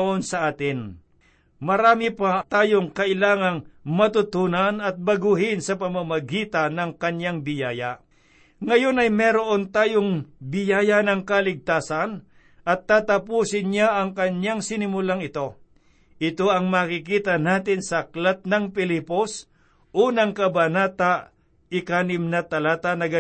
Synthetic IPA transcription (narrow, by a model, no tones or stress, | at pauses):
ʔonsɐʔaːt̪ɪn | mɐɾaːmɪpat̪aːjoŋkɐʔɪlaːŋɐŋmɐt̪ʊt̪uːnanɐt̪̚bɐɡuɦɪnsɐpɐmamɐɡiːt̪anɐŋkɐɲjaŋbɪjaːja | ŋɐjo̞nɐjmɛːɾoʔo̞nt̪aːjoŋbɪjaːjɐnɐŋkɐlɪɡ̚t̪aːsɐn | ʔɐt̪ːaːt̪ɐpuːsɪnɲaʔɐŋkɐɲjaŋsɪnɪmʊlaŋɪt̪o̞ | ʔɪt̪o̞ʔɐŋmaːkɪkiːt̪ɐnaːt̪ɪnsɐɐklat̪̚nɐŋpɪliːpos | ʔonɐŋkɐbɐnaːt̪a | ɪkaːnɪmnɐt̪ɐlaːt̪anɐɡɐ